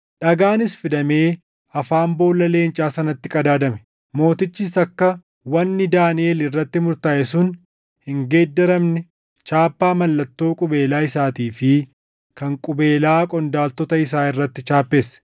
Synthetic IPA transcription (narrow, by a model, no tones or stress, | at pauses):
ᶑɐɡaːnɪsfɪd̪ɐme̞ː | ɐfaːmbo̞ːlːɐle̞ːnt͡ʃʼaːsɐnɐt̪ːɪkʼɐd̪aːd̪ɐmɛ | mo̞ːt̪ɪt͡ʃːɪsɐkːɐ | wɐnːɪd̪aːnɪeːlɪrːɐt̪ːɪmʊɾt̪aːʔɛsʊn | hɪŋɡe̞ːd̪ːɛɾɐmnɛ | t͡ʃaːpːaːmɐlːɐt̪ːo̞ːkʼʊbe̞ːlaːɪsaːt̪iːfɪ | kɐŋkʼʊbe̞ːlaːkʼɔnd̪aːlt̪ɔt̪ɐɪs̬aːɪrːɐt̪ːɪt͡ʃaːpːe̞ːsɐ̥